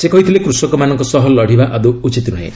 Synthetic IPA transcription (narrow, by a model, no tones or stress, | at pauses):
sekɔɦit̪ʰilekɾusɔkɔmanɔŋkɔsɔɦɔlɔɽ̤ʱibaʔad̪uut͡ʃit̪nɔɦḛ̃